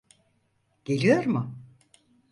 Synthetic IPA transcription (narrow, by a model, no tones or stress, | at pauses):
ɟ̥e̞lʲijo̞ɾmʊ